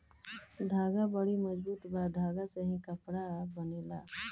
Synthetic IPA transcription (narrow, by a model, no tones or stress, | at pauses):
d̪ʱaːɡabəɽiməd͡ʒbuːt̪baːd̪ʱaːɡaseɦĩkəpɽabəneːla̰ː